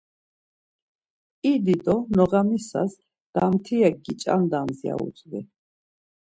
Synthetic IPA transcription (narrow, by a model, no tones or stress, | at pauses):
id̪id̪ɔnɔʁamisa̰s | d̪̥amt̪ʰiaɡit͡ʃʼa̰nd̪amzia̰ṵt͡sʼvḭ